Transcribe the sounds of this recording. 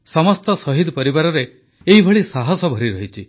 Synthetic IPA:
sɔmɔst̪ɔsɔɦid̪pɔɾibaɾɔɾe | eɦibʱɔɭisaɦɔsɔbʱɔɾiɾɔɦit͡ʃʰi

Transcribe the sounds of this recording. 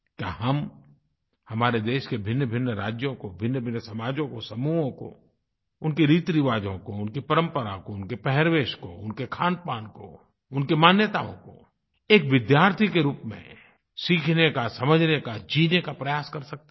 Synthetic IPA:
kja̰ɦɐm | hɐmaːɾed̪eːʃkebʱɪnːəbʱɪnːəɾa̰ːd͡ʒjõkobʱɪnːəbʱɪnːsɐmaːd͡ʒõkosɐmuːɦõko̰ | ʊnkeɾiːt̪ɾɪʋaːd͡ʒõkoʊnkipɐɾə̃mpəɾakoʊnkepɛɦɛɾʋeːʃko̰ʊnkekʰaːnpaːnko̰ | ʊnkemaːnjət̪aːõ̰ko̰ | eːkʋɪd̪jaːɾt̪ʰikeɾuːpmḛ̃ | siːkʰnekasɐməd͡ʒʱnekad͡ʒiːnekapɾɐjaːskɐɾsɐk̚t̪e

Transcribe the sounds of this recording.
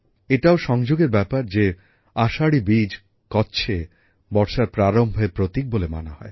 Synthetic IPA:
eʈaoʃɔŋd͡ʑoɡeɾbɛpaɾd͡ʑe | aʃaɽibid͡ʑ | kɔtːɕʰe | bɔɾʃaɾpɾaɾombʱepɾot̪ik̚bolema̰naɦɔe

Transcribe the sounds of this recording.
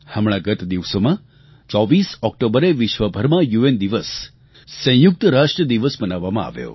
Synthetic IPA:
həmɭ̃aɡət̪d̪iʋsomã | t͡ʃɔʋisɔk̚ʈobəɾeʋɪʃʋəbʱəɾmãjuend̪iʋəsː | ə̃juk̚t̪əɾaʂʈɾəd̪iʋəsmənaʋːamãa̰ʋjo̰

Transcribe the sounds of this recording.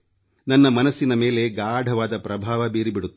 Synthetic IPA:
nɐnːɐmɐnɐsːinɐme̞ːle̞ɡaːɖʱɐʋaːd̪ɐpɾɐbʱaːʋɐbeːɾibiɽut̪ː

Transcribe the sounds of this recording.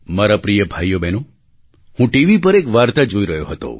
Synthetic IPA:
maɾapɾijəbʱajːobʱeno | hũʈiʋip̬əɾekʋaɾt̪ad͡ʒoiɾəjoɦət̪o̰

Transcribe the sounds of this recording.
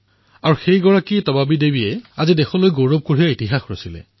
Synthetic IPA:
aɹuxejɡɔɹakitɔbabidebijɛazidɛxɔlojɡowɹɔb̚koɹijaitiɦaxɹosilɛ̰

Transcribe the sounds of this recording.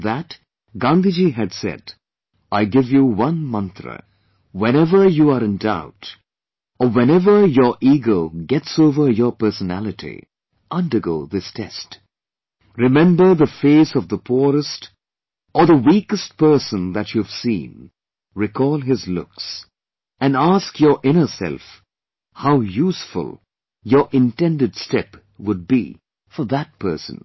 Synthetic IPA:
ðæt | ɡɑ̃nd̪id͡ʒiɨdsɛ̰d | ʔaɪɡɪvjuwʌ̃nmʌ̃nθɹə̰ | wɛ̃ñɛvə˞juəɾɨ̃ndaʊt | əwɛ̃nɛvə˞jə˞ʔiɡoʊɡɛtsoʊvə˞jə˞pɜ˞sənæ̰lˠɨtʰḭ | ʔʌ̃ndə˞ɡoʊðɪstʰɛ̰st | ɹɨmɛ̃mbə˞ðəfeɪsʌvðəpʰuɹəst | ʔə˞ðəwiːkɨst̚pɜ˞sə̃nðæt͡ʃjuv̥sḭ̃n | ɹɪkʰɔːlˠɦɪzlʊ̰ks | ɨ̃naskjə˞ʔɪ̃nə˞sɛ̰lˠf | haʊjuːsfʊ̰lˠ | jə˞ʔɪ̃ntɛ̃ndɨdstɛp | wʊd̚bḭ | fə˞ðæt̚pʰɜ̰˞sə̰̃n

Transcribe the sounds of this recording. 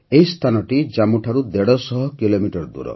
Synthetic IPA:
ejst̪ʰanɔʈid͡ʒamuʈʰaɾud̪eɽɔsɔɦɔkilomiʈɔɾd̪ṵɾɔ̰

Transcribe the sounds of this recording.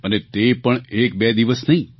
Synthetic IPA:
ənet̪epəɳek̚bɛd̪iʋəsnəɦĩ

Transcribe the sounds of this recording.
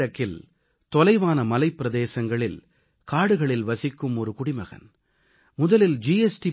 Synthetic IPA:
ɐkːɪl | t̪ɔlɐɪʋaːnɐmɐlɐɪpːɪɾɐðeːsɐŋɡɐɭɪl | kaːɽɯɣɐɭɪlʋɐsɪkːɯmɔɾɯkʊɽɪmɐɣɐ̰n | mʊðɐlɪld͡ʒiːɛsʈi

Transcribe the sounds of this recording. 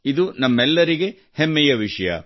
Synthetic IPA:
id̪unɐmːɛlːɐɾiɡe̞ | hemːɛjɐʋiʂɐjɐ̰

